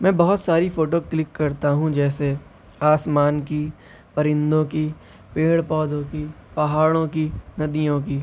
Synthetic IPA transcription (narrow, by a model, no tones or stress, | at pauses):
mɛ̃ːbɐɦʊt̪saːɾifoːʈoklɪkːɐɾt̪aɦũd͡ʒɛːse | aːsmaːnki | pɐɾɪ̃nd̪õki | peːɽpɔːd̪õkipɐɦaːɽ̃õkinɐd̪ijõkiː